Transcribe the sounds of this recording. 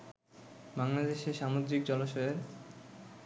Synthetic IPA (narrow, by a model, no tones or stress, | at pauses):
baŋlad̪eʃeʃamod̪ɾik̚d͡ʑɔloʃɔeɾ